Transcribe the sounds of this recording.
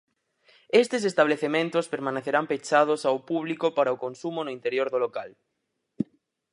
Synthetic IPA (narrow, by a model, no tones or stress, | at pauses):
est̪esest̪aβ̞leθemẽnt̪ospeɾmãneθeɾampet͡ʃað̞osawpuβ̞likopaɾaokonsumonoint̪eɾjoɾðolokal